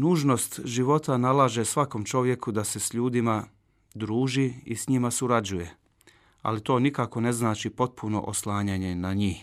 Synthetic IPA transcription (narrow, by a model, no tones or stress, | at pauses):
nuːʒno̞st̪ʒiʋo̞t̪analaːʒe̞sʋako̞mt͡ʃo̞ʋje̞kud̪ase̞sʎuːd̪ima | d̪ɾuːʒiisɲimasuɾad͡ʑuje̞ | a̰lit̪o̞ːnikako̞ne̞znaːt͡ʃipo̞t̪̚pʰuno̞̰ʔoslˠaːɲaɲe̞naɲiːh